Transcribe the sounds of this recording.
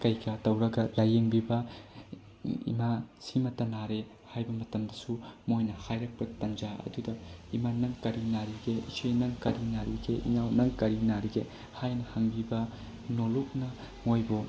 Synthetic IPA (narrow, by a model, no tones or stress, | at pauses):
kɐjɡatɐwɾɐɡɐlɐjeŋbibɐ | ḭmasimɐtɐnaɾe | hajbɐmɐtɐmdɐsumojnɐhajɾɐk̚pɐtɐnd͡ʒaɐ̰dudɐimanɐŋkɐɾinaɾiɡeit͡ʃʰejnɐŋkɐɾinaɾiɡeʔḭŋawnɐŋkɐɾinaɾiɡe | hajnɐhaŋbibɐ | noluk̚nɐ | mojbo